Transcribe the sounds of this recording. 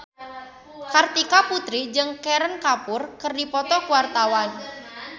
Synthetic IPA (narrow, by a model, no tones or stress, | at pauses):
kart̪ikaput̪ɾid͡ʒɨŋkeɾənkapʊrkərdipɔt̪ɔkuwart̪awan